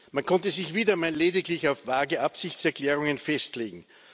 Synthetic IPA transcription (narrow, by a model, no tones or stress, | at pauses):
mankʰɔntəzɪçv̥iːdɐmaːllːeːdɪklɪçaʊfvaːɐɡəʔapsɪçt͡sɛɐkʰl̥ɛːʁ̞ʊŋənfɛstleːɡŋ̩